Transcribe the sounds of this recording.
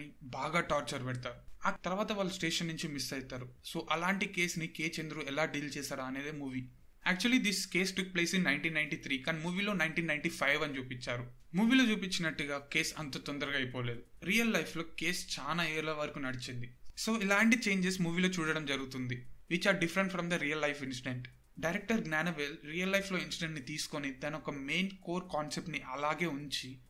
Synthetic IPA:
ibaːɡaːʈaːɾt͡ʃɐɾpɛɽt̪aːɾuaːt̪ɐɾʋaːt̪ɐʋaːɭːɐsʈeːʃɐnːuɲt͡ʃimisːɐjt̪aːɾuso̞ːʔɐlaːɳʈike̞ːsnikeːt͡ʃend̪uɾuɛlaːɖiːlt͡ʃɛːsaːɾaɐne̞ːd̪eːmuːʋi | æːk̚t͡ʃuɐlid̪iske̞ːsʈuk̚ple̞ːsinnɐjɳʈiːnɐjɳʈit̪ʰɾiːkaːnimuːʋiːlo̞ːnɐjɳʈiːnːɐjɳʈipʰɐjʋɐnit͡ʃuːpit͡ʃːaːɾu | muːʋiːloːt͡ʃuːpit͡ʃːinɐʈːuɡaːke̞ːsɐ̰nt̪oːt̪ɔnd̪ɐɾɐɡaːjpoːle̞ːd̪u | ɾijɐlːɐjflo̞ːke̞ːst͡ʃaːnaːeːɾlɐʋɐɾɐkunɐɽit͡ʃind̪iso̞ːilaːɳʈit͡ʃe̞ːɲd͡ʒesmuːʋiːlo̞ːt͡ʃuːɽɐɽɐmd͡ʒɐɾuɡut̪und̪iʋit͡ʃːaːɖifɐɾɐɳʈfɾɐmd̪ɐɾiːjɐlːɐjfinsiɖeɳʈ | ɖɐjɾek̚ʈɐɾɡnaːnɐʋelɾijɐlːɐjfʰlo̞ːinsiɖeɳʈnit̪iːsu̥konid̪aːniɔkɐme̞ːnko̞ːɾkaːnsep̚ʈniʔɐlaːɡe̞ːuɲt͡ʃi

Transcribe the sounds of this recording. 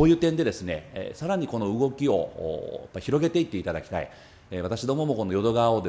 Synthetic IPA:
oːjɯ̟ːt̪ẽ̞nd̪e̞d̪e̞sɨne̞̰saɾaɲ̟iko̞no̞ɯ̟ɡo̞kʲio̞̰ːa̰pːaçiɾo̞ɡe̞t̪e̞it̪ːe̞it̪ad̪akʲi̥t̪a̰ḭ | eβat̪aɕid̪o̞ːmo̞mo̞ko̞no̞jo̞d̪o̞ɡaβaod̪e

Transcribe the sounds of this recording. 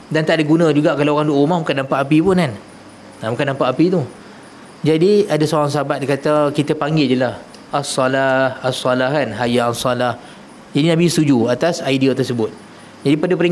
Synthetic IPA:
dant̪aʔdaɡunə̃d͡ʒuɡaʔkalaoɣaŋluʔumahbukanːampaʔapipʊnan | abukanːãmpaʔapit̪u | d͡ʒadiadasoɣaŋs̬əɦabat̪̚kat̪əkit̪əpaŋɡɪld͡ʒəlah | asːɔlahasːɔlahkanɦajaasɔlah | d͡ʒadinãbist̪ud͡ʒuat̪asajdiat̪ərsəbʊt̪̚ | d͡ʒadipadəpəɾi

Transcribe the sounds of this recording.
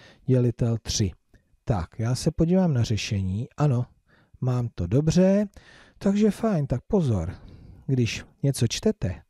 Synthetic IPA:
ɟɛlɪt̪ɛlt̪r̝̥ɪ | t̪akjaːsɛpo̞ɟiːvaːmnar̝ɛʃɛɲiːʔano̞ | maːmt̪odo̞br̝ɛ | t̪aɡʒɛfajnt̪ak̚po̞zo̞̰ɾɡdɪʃɲɛt͡so̞t͡ʃt̪ɛt̪ɛ

